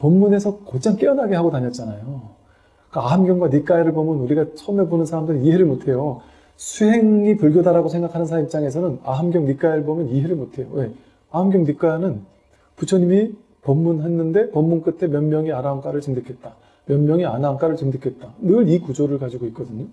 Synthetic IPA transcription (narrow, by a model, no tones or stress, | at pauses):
pʌmːune̞sʰʌkot͡ɕʰaŋk͈eʌnɦaɡe̞ɦaɡotaɲʌt̚t͡ɕ͈anajo | k͈aaɦamɡjʌŋɡwanik͈aeɾɯɭbʌmɯnuɾiɡat͡ɕʰʌmebonɯnsʰaɾamdɯɾiniɦe̞ɾɯɭmotʰe̞jo | sʰuɦe̞ŋipɯɭɡʲjʌdaɾaɡosʰe̞ŋɡakʰanɯnsʰaaip̚t͡ɕ͈aŋe̞sʰʌnɯnaɦamɡjʌŋnik͈aeɾɯɭbʌmjʌniɦe̞ɾɯɭmotʰe̞jo̰we̞ | aɦamɡjʌŋnik͈anɯn | put͡ɕʰʌɲimi | pʌmːunɦe̞nːɯnde̞pʌmːunk͈ɯtʰe̞mjʌnmjʌŋianaonk͈aɾɯɭt͡ɕɯŋdɯkʰe̞t̚t͈a | mjʌnmjʌŋianank͈aɾɯɭt͡ɕɯŋdɯkʰet̚t͈anɯɾikud͡ʑoɾɯɭkad͡ʑiɡoik̚k͈ʌdɯɲo